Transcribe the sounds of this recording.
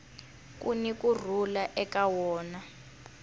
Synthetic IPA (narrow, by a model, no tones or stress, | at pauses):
k̬ʼṵnik̬ʼur̤ulaʔɛkawɔːna